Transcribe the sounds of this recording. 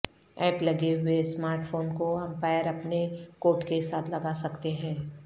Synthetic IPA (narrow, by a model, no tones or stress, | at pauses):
ɛːplɐɡeɦʊesmaːɾʈfoːnkoɐ̃mpaːɪəɾɐpnekoːʈkesaːt̪ʰlɐɡasɐkt̪eɦɛ̃ː